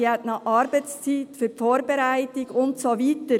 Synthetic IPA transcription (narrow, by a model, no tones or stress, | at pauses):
ɛtnɑʔɑɾbaɪst͡siːtfyːfoːɾbɛɾaɪtɪɡʊntsoviːtə